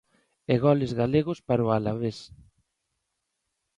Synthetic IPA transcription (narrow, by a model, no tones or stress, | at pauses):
eɣɔlezɣaleɣʊspaɾoalaβes